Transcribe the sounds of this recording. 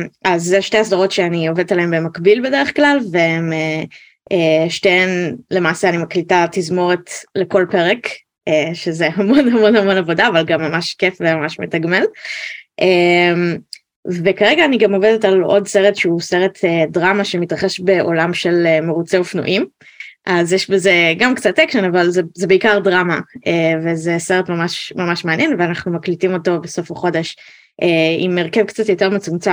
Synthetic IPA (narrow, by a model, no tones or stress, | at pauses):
azːeʃtehasdaʁo̞tʃeanio̞ved̪et̪aleembe̞makbilbedeʁeχklalveeme | eʃteenle̞maːseanimaklitatizmo̞ʁetle̞ko̞lpe̞ʁek | eʃezeɦamo̞nɦamo̞nhamo̞navo̞daːvalɡamːamaʃkefvemamaʃmetaɡmelʔem | vekaʁeɡaːniɡamo̞vedetalo̞dseʁetʃeuseʁet̪ʰedʁamaʃemitʁaχe̞ʃbe̞ʔo̞lamʃe̞lemeʁut͡seofnṵʔim | ʔazjeʃbezeɡamkt͡satːekʃenavalzezebeikaʁdʁamaevezeseʁetmamaʃmamaʃmeanjenveanaχnumaklitimo̞to̞beso̞faχo̞de̞ʃ | ʔeḭmːeʁkevkt͡satjo̞teʁmet͡sumt͡sa